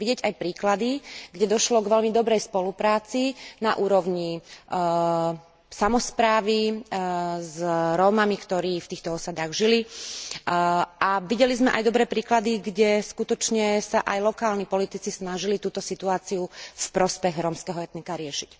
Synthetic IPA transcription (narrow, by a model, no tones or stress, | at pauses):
ʋiɟɛɟajpɾiːklad̪iɡɟɛd̪ɔʃlɔɡʋɛlmid̪ɔbɾɛjspɔlupɾaːt͡sinaʔuːɾɔʊɲi | samɔspɾaːʋi | zɾɔːmamikt̪ɔɾiːft̪iːxt̪ɔɔsad̪aːɣʒili | ʔaʋiɟɛlizmɛʔa̰jd̪ɔbɾɛːpɾiːklad̪iɡɟɛskut̪ɔt͡ʃɲɛsaʔajlɔkaːlɲipɔlit̪it͡sisnaʒilit̪uːt̪ɔsit̪uaːt͡siufpɾɔspɛɣɾɔːmskɛɦɔɛt̪nikaɾɪɛʃi̥c